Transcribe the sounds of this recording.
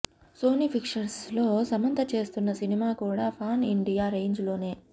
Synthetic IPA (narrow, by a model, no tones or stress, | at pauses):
so̞ːnipʰikʂɐɾslo̞ːsɐmɐnt̪ʰɐt͡ʃe̞ːst̪unːɐsinimaːkuːɽaːpʰaːnḭɳɖijaːɾeːɲd͡ʒlo̞ːne̞ː